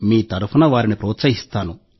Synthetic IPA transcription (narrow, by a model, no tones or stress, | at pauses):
miːt̪ɐɾupʰunɐʋaːɾinipɾɔːt̪sɐɦist̪aːnu